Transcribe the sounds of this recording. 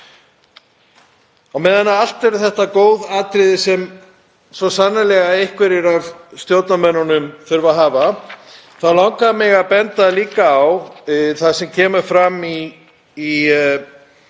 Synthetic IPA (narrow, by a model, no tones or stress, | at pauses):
awmɛːðanːaal̥t̪ɛɾʏθɛht̪akoːwðaːt̪ɾɪðɪsɛm | svɔsanːalɛɣaejhkvɛɾɪɾavst̪joːwt̪namɛnːanʏmθʏɾvaðɦaːva | θaðlawŋkamɪɣaðpɛnt̪aliːkaːwθaðsɛmcʰɛːmʏɾfɾamiː